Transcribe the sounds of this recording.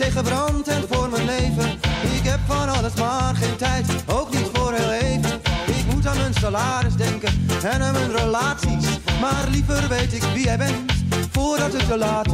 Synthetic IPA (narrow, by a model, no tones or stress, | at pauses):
tejχəbrɑntɛnvʊːɹmənlejvənɪkɦɛpfɑnɑləsmaːrχejntɛjtowknitfʊːrɹɦeːlejvənɪkmut̬aːnənsalaːɾɪsdɛŋkənɛnaːnənrəlaːtsismaːrlivərʋejtɪkʋiɛjbɛnfʊːɹdɑtɪkdəlaːt